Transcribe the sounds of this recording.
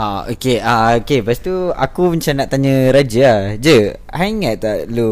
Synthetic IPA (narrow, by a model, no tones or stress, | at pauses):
aokeaokepast̪ua̰kumat͡ʃamnaʔt̪aɲə̃ɾad͡ʒəahd͡ʒə | ɦaiŋat̪̚t̪aʔlu